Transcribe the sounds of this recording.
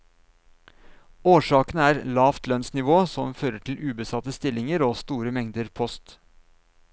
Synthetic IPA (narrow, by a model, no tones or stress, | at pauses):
oːʂɑːkənəæːɾlɑːft̪lœnsnɪʋoːsɔmføːɾəʈʰɪl̩ʉːbəsɑt̪əst̪ɪlɪŋəɾoːst̪uːɾəmɛŋd̪əɾpʰɔst̪